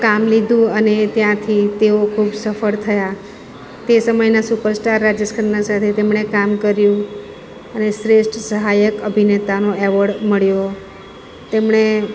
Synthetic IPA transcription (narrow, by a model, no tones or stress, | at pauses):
kamlid̪ʱũənet̪jãt̪ʰit̪eokʰubsəfəɭt̪ʰəja | t̪esəməjnasupəɾsʈaɾːad͡ʒəskʰəɾnasat̪ʰet̪emɳekamkəɾjũ | əneʃɾesʈʰsəɦajəkəbʱinet̪anoɛʋəɽməɭjo | t̪emɳ̃e